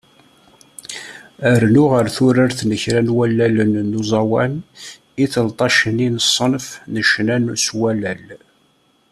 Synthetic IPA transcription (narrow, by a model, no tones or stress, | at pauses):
əɾnʊʁəɾθʊɾaɾθnəçɾænwælːælənːuzˤɑwæn | iθəlt̪ˤɑʃəninəsˤːənfnəʃnænuswælæl